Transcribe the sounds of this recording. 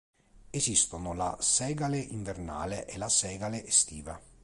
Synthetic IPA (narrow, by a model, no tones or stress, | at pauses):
esist̪onolasɛːɡaleʔiɱverna̰ːleʔelasɛːɡaleʔest̪iːva